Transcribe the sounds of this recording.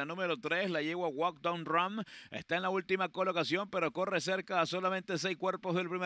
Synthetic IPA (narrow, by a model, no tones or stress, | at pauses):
anũme̞ɾo̞t̪ɾe̞slaʝeɣwawak̚d̪anrame̞̰st̪aenlault̪imako̞lo̞kasjo̞mpe̞ɾo̞ko̞rese̞ɾkaːso̞lamẽnt̪e̞s̬ejskwe̞ɾpozðelpɾime